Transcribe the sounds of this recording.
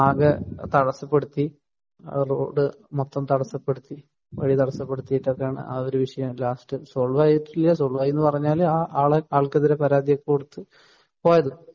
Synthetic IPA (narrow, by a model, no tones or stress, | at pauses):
aːɡɐt̪ɐɽɐsɐpːeɽut̪ːi | ro̞̰ːɖɨ | mot̪ːɐmt̪ɐɽɐsɐpːe̞ɽut̪ːi | ʋɐ̰ɻit̪ɐɽɐsːɐpːe̞ɽut̪ːijiʈːɐðejaːɳɨ̰ʔɐ̰oɾuʋiʂɐjɐmlaːsʈɨso̞ːɭʋaːjiʈːiljɐs̬o̞ːɭʋaːjenːɨpɐrɐɲːaːlaːaːɭeaːɭkɐðiɾepɐɾaːd̪ijokːekoɽut̪ːɨ | po̞ːjɐðɨ